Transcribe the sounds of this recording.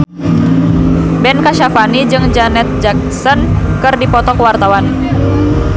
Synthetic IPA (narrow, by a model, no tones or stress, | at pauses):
bɛnkaʃafanid͡ʒɨŋd͡ʒanɛt̪̚d͡ʒak̚sɔnkɨrdipɔt̪ɔkəwart̪awan